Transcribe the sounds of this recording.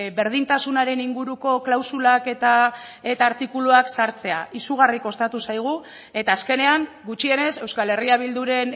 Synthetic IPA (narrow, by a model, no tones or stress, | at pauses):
be̞ɾð̞int̪asunaɾe̞niŋɡuɾuko̞klawsulake̞t̪a | e̞t̪aːɾt̪ikuluaksaɾt͡se̞a̰ʔisuɣ̞ariko̞st̪at̪usajɣ̞u | e̞t̪aːske̞ne̞aŋ | ɡut͡ʃie̞ne̞se̞wskale̞riaβ̞ild̪uɾe̞n